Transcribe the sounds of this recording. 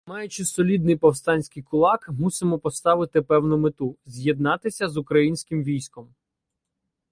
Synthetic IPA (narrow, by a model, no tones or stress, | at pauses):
mɑjʊt͡ʃɪsɔlʲid̪nɪjpɔwst̪ɑnʲsʲkɪjkʊlˠɑkmusɪmɔpɔst̪ɑʋɪt̪ɪpɛwnʊmɪt̪uzʲjɛd̪̚nɑt̪ɪsʲɐzʊkɾɐjinʲsʲkɪmʋʲijsʲkɔm